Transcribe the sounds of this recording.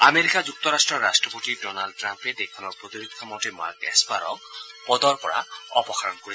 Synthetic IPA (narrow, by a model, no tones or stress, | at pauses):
ameɾikad͡ʑuk̚t̪ɔɾasʈɹɔːasʈɹɔpotidɔnalɖ̚ʈːɾamped̪ekʰɔnɔɹpɾot̪iɾud̪̚kʰɔmɔtema̰ɾkɛ̰spaɾɔ̰kpɔd̪ɔɹkɔɹa̰ɔpɔxaɹɔnkoɾi